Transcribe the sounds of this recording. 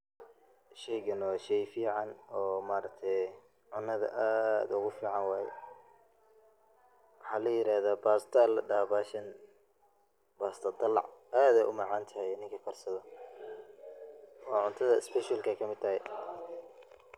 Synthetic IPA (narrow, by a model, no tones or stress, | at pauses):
ʃɛjɣɐnɔʃɛjfiːʕɑnɔːmaːɾɐk̚t̪ʰɛ | ʕʊnːɐðɐ̰ʔaːd̪ʊɣʊfiːʕɑnwɑːjɛ̰ | wɑħɑːlɐjɪɾaːðaːbaːst̪ʰalɖabaːʃɐn | baːst̪ʰɐd̪ɐlɑ̰ʕaːd̪ɛjʔʊmɑʕɑːnt̪ʰɐhɛjnɪŋkʰɐkʰɔrsɐðɔ | ɔːʕʊnt̪ʰɐðɐɪspɛʃɐlkɐjkʰɐmɪd̪̚t̪ʰɐɦɛj